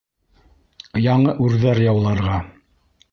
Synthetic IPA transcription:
jɑɴɤʔʉɾðæɾjɑ̆wlˠɑɾʁɑ

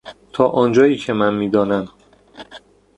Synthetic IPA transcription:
t̪ʰɒːʔɒːnd͡ʒɒːjiːcʰe̞mænmiːd̪ɒːnæm

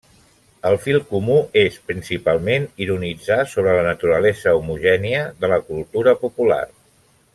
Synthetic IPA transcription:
əlˠfilˠkumuespɾinsipalˠmeniɾunid͡zasoβ̞ɾələnət̪uɾəlɛzəumuʒɛniəðələkulˠt̪uɾəpupula̰r

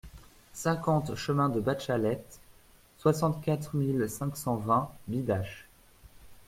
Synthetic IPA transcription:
sɛ̃kɑ̃t̪ʃəmɛ̃d̪əbaʃalɛt̪ | swasɑ̃t̪kʲat̪χmilsɛ̃ksɑ̃vɛ̃bid̪aʃ

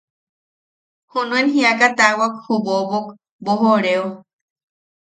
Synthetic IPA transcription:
hunũenɦiakat̪awakhubobok | boɦoɾeo

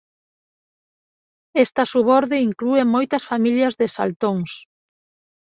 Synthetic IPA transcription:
est̪ɐsuβɔɾðɪiŋkluemojt̪ɐsfamiʎɐzðɪsa̰lt̪oŋs

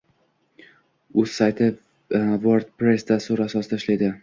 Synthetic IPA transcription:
ɵz̥sajt̪ʰɪ | voɾd̪pɾe̞sd̪asuɾasɒsɨɪd̪ʰaʃlajd̪ɪ

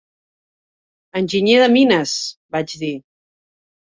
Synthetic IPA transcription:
ənʲʒiɲeðəminəsbad͡ʒði

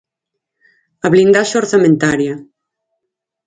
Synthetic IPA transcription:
aβlind̪aʃaoɾθamẽnt̪aɾja

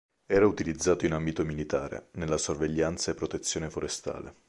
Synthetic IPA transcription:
ɛːɾaut̪ilid̪zːaːt̪oinambit̪omilit̪aːɾḛnelːasorveʎːant̪saepːɾot̪et̪sːjoːnefoɾest̪a̰ːlḛ

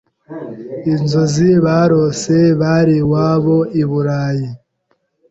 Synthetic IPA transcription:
inzoziβaːɾoseβaɾiwaːβo̞iβuɾaːji

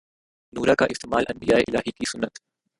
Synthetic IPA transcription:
nuːɾakaʔɪst̪eːmaːlʔɐ̰̃nbijaːeʔɪlaːɦikisʊnːət̪

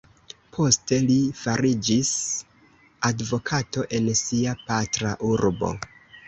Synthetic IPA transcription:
pʰo̞ste̞lifaɾid͡ʒis | advo̞kʰato̞ʔe̞nsiapatɾaʔuɾbo̞̰

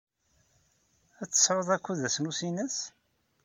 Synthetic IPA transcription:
æt͡sːə̥sɾoðˤækʷːuðæsnusinəs

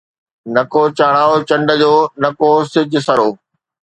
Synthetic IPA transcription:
nɐkot͡ɕaːɽaːot͡ɕɐ̃ɳɖə̆d͡ʑoːnɐkosɪd͡ʑʱʊ̆sɐɾoː

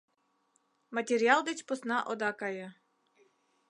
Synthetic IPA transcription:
matʲeɾʲialˠd̪et͡ɕposnɑʔod̪ɑkɑjɤ

